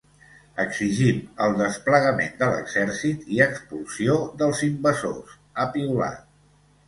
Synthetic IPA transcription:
əɡziʒiməlˠd̪əspləɣəmend̪ələ̰ɡzɛɾsit̪iəkspulˠsioðəlˠzimbəzo̰s | əpiula̰

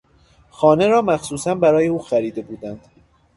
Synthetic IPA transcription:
xɒːne̞ɾɒːmæxsuːsænbæɾɒːjeuːxæɾiːd̪e̞buːd̪ænd̪̥

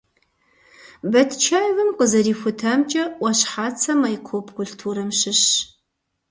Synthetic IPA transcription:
bɐtʰt͡ʃʰaːjvɐmqəzɐɾiːxʷʊtʰaːmt͡ʃʼɐʔʷɐɕħaːt͡sʰɐmɐjkʷʰopʰkʰʷʊɬtʰuːɾɐmɕɨɕ

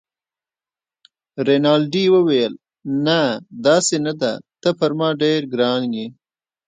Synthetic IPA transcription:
ɾenɑlɖiwəwajəl | nad̪ɑːsenad̪at̪əpəɾmɑɖeɾɡɾɑŋɡi

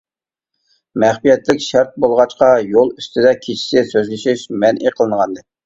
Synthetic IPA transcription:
mɛχpijɛt̪lɪkʲʃæɾt̪̚bolˠʁɑt͡ʃqɑjolˠyst̪ʰɪd̪ɛkʲʰet͡ʃʰɪ̥sɪsøzlɪʃɪʃmɛnʔiqʰəlˠɨnʁɑnd̪ɨ

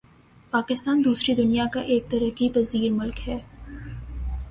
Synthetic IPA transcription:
paːkɪst̪aːnd̪uːsɾid̪ʊnijakaʔeːk̚t̪ɐɾəqipɐziːɾmʊlkɦɛː

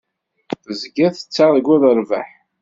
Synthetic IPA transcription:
θəzɡæθə̥t͡sːaðˤəɡæðəɾvæ̰ħ

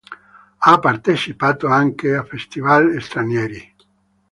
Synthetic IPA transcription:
apːart̪et͡ʃipaːt̪oaŋkeafest̪ivalest̪ɾanjɛːɾi

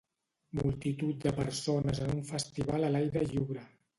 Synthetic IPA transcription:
mulˠt̪it̪ut̪̚d̪əpəɾsonəzənuɱfəst̪iβaləlajɾəʎiwɾə

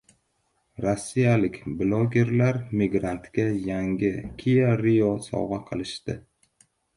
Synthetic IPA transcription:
ɾosːijalɪkʲblˠoɡʲe̞ɾlaɾmiɡɾant̪ɡʲajaŋɡʲɪkʲʰijaɾijosɒ̰wʁɑqʰɨlˠɪʃt̪ɪ

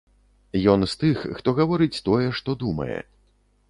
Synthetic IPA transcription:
jɔnst̪ɨxːt̪ɔɣɐvɔɾɨt͡sʲt̪ɔjɛʂt̪ɔd̪umɐ̰jɛ̰

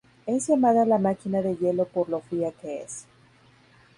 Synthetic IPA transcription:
e̞zʝemaðalamakinaðe̞ʝe̞lo̞po̞ɾlo̞fiake̞ḛs

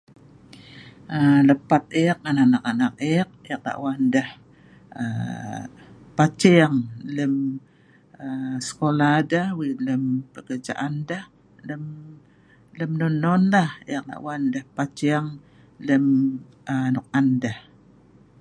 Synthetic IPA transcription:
ʔələpat̪̚ek̚ananakanak̚ek̚ek̚la̰ʔwandəh | ə | pat͡ʃɛaŋləm | əsə̥koladahwiləmpəkərd͡ʒa̰ʔandəh | ləm | ləmnonɔnlahek̚la̰ʔwandahpat͡ʃɛəŋ | ləm | ənʊk̚andah

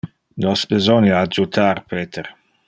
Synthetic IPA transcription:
nɔsbezɔnjaːd͡ʒut̪ʰarpeːt̪er

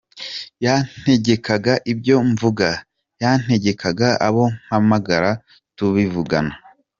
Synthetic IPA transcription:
jan̥e̞ɟe̞kaɡaʔibɟo̞ɱvuɡa | jan̥he̞ɟe̞kʰaɡaaβo̞ŋ̥hamaɡaɾa | tuβivuɡa̰na

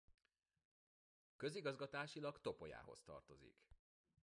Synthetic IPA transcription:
kø̞ziɡɒzɡɒt̪aːʃilɒkt̪o̞po̞ja̰ːɦo̞̰st̪ɒ̰rt̪o̞zḭk

